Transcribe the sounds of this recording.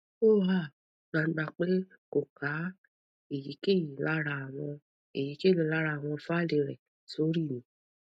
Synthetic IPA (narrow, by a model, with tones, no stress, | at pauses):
o˦˨a˦˨˦ | ɡ͡ba˧˦ɡ͡ba˧k͡pe˦ | ko˨ka˨˦ | e˨ji˨˦ke˦˨ji˨˦la˦ɾa˧a˨w̃ɔ̃˧ | e˨ji˨˦ke˦˨lu˨˧˦la˦ɾa˧˨w̃ɔ̃˧fa˦˨le˧ɾɛ̰˨ | so˨˦ɾi˦˨nĩ˨˦